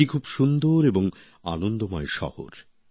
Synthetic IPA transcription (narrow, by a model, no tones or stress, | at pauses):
ikʰubʃund̪oɾeboŋ | a̰nond̪omɔeʃɔ̰ho̰ɾ